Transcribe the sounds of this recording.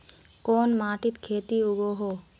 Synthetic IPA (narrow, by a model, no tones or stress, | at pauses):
koːnmaːʈɪt̪kʰeːt̪iʊɡoɦoː